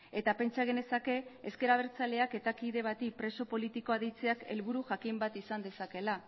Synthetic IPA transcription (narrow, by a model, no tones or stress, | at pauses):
e̞t̪ape̞nt͡ʃaɣ̞e̞ne̞sake̞eske̞ɾaβ̞e̞ɾt͡sale̞ake̞t̪akiðe̞β̞at̪ipɾe̞so̞po̞lit̪iko̞aðit͡se̞ake̞̰lβuɾuʝakimbat̪isand̪e̞sake̞la